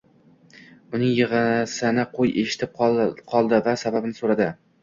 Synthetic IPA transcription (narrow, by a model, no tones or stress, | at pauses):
ʊnɪŋjɨʁɨsɪnɪqʰojeʃɪ̥t̪ʰɪp̚qqʰɒlˠd̪ɪvasababɪnɪsoɾad̪ɪ